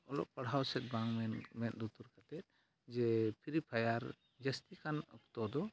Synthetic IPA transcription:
ɔlɔ̰ʔpɐɽ̤ɦawsɛt̪̚baŋmɛnmɛnd̪ut̪uɾkat̪ɛt̪̚ | d͡ʒɛpʰiɾipʰajaɾ | d͡ʒəst̪ikanɔkt̪ɔd̪ɔ

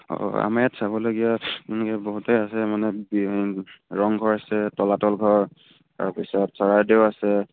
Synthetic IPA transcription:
ɔ̰a̰maatsaβɔlaɡijakunɛkɛboɦutɛasɛmanɛbi | ɹɔŋɡʱɔɹasɛtɔlatɔlɡʱɔɹ | ta̰ɹpisɔtsɔɹajdewasɛ

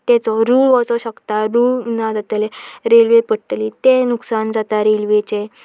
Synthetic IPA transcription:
t̪ɛt͡sɔɾuːɭʋɔt͡sɔɕəkt̪aɾuːɭnad͡zat̪əleɾelʋepəɽʈ̪lit̪enuksand͡zat̪aɾelʋet͡ɕe

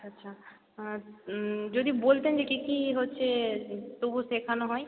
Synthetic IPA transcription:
ɐtːʃʰa | d͡ʒod̪ibolt̪ed͡ʒekikiɦotːʃʰet̪obʱusekʰanaɦɔe

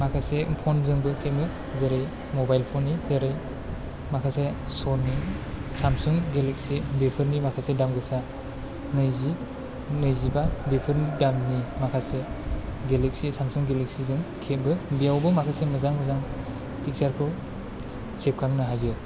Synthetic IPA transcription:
makʰasepʰɔnzɯŋbɯkʰet̚bɯ | zɐɾej | mobajlpʰɔnːizaɾɯj | makʰasesɔnisamsuŋɡelek̚sibepʰɯɾnimakʰasedamɡɯsa | nɯjzi | nɯjzibabepʰɯɾndamnimakʰaseɡelek̚sisamsuŋɡelek̚sizɯŋkʰet̚bɯbijawbɯmakʰasemɯzaŋmɯzaŋ | pʰik̚saɾkʰɯw | sep̚kʰaŋnɯɦajzɯ

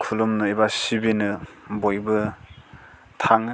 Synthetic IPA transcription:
kʰulumnɯibasibinɯbojbɯ | tʰaŋ

